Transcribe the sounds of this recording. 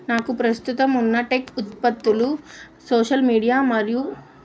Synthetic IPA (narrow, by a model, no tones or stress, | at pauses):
naːkupɾɐst̪ut̪ɐmunːɐʈekut̪pɐt̪ːulu | soːʂɐlmiːɽijaːmɐɾiju